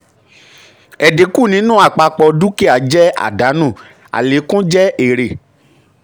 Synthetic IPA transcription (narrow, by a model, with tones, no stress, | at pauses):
ɛ˨de˨˦ku˦˨nĩ˨˦nũ˦a˦˨k͡pa˧k͡pɔ˧du˦ke˦a˨˦d͡ʒɛ˦a̰˦˨da˨˦nũ˦˨ | a̰˨le˨˦kũ˦d͡ʒɛ˦e˦˨ɾe˨